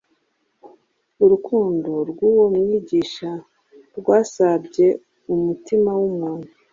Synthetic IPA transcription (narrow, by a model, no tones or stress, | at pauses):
uɾukuːndoɾɡuwo̞mŋiːɟiːʃa | ɾɡwaːsabɟe̞ | umutimawumuːn̥hu